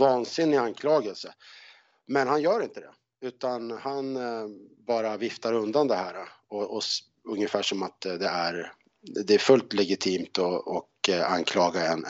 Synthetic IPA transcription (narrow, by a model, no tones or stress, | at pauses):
vɑːnsɪnːɪankʰlɑːɡɛlsə | mɛnhanjœːɾɪnt̪əd̪ɛ̰ | ʉ̟ːt̪anhan | bɑːɾavɪft̪aɾɵnd̪and̪ɛhæːɾa | ɔʔɔ | ɵŋːjəfæːʂɔmat̪d̪ɛæɾ | d̪ɛæfɵlt̪lɛɡɪt̪ʰiːmt̪ɔɔka̰nkʰlɑːɡaɛn